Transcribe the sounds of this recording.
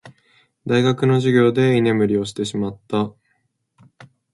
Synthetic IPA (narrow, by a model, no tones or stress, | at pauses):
d̪aiɡakɯ̟no̞ʑiɡʲo̞ːd̪e̞ine̞mɯ̟ɾʲio̞ɕi̥t̪e̞ɕimat̪ːa